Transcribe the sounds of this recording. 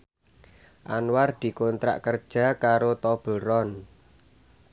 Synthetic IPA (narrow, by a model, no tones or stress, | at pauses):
ʔanward̪̥i̤kont̪ɾa̰ʔkərd̥ʒ̥a̤kaɾot̪ɔb̥əɾɔn